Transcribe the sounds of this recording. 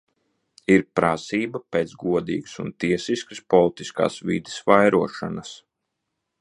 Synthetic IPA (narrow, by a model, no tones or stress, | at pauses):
iɾpɾasiːbɐpeːt̪zɡuɔd̪ḭːɡsunt̪iɛsiskɨspɔlˠit̪iska̰ːsvid̪i̥sʋajɾuɔʃa̰nas